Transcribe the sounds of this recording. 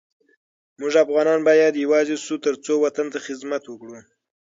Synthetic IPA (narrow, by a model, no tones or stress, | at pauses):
muʐafɣɑnɑnbɑjad̪jawɑzesut̪əɾt͡sowat̪ant̪axɪzmat̪wəkɽu